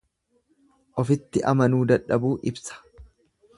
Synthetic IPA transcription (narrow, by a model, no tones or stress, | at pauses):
ʔɔfɪt̪ːɪʔɐmɐnuːd̪ɐᶑːɐbuːʔɪbsɐ̥